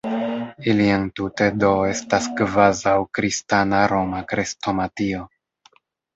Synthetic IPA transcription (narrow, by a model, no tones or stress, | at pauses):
iliantute̞do̞e̞staskvazawkɾistanaɾo̞makɾesto̞matio